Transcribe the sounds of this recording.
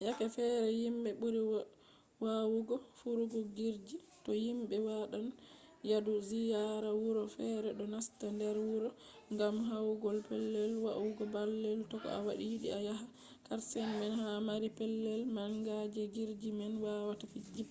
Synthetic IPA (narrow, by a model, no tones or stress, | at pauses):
jakɛfɛɾɛjimɓɛɓuɾi | wawuɡɔfuɾuɡɔɡiɾd͡ʒi | tɔjimbɓɛwaɗan | jaduzijaɾawuɾɔfɛɾɛɗɔnastandɛɾwuɾɔ | ŋɡamɦawuɡɔlpɛlːɛlwawuɡɔbalːɛltɔkɔ̰a̰waɗijiɗiajaɦa | kaɾsɛnmɛnhamaɾipɛlːɛlmaŋɡad͡ʒɛɡiɾd͡ʒimɛnwawatafid͡ʒi